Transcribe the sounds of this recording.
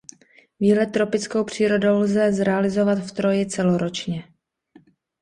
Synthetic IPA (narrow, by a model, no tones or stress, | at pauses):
viːlɛt̪ːɾo̞pɪt͡sko̞wpr̝̥iːɾo̞dowlzɛzɾɛalɪzo̞vat̪ft̪ɾo̞jɪt͡sɛloɾo̞t͡ʃɲɛ